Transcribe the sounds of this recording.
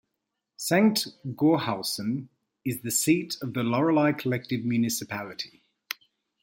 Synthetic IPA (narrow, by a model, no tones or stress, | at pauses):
sẽŋʔɡ̥ɔːhalˠsə̃n | ɪzðəsiˑtəvðəlɒɹəlaɪkʰəlɛk̚tɪvmjʉnɪsɪpʰalɪtʰi̥